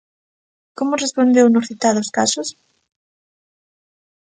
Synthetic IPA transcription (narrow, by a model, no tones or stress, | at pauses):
komʊrespond̪ewnʊsθit̪aðoskasʊs